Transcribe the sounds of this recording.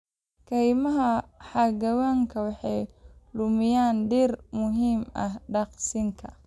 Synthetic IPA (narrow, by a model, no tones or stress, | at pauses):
kʰɐjmɐɦɐħɑɡɐwaːŋkʰɐwɑħɑjlʊmɪjaːnɖiːrmʊɦiːmɐhɖɑqsɪŋkʰɐ̰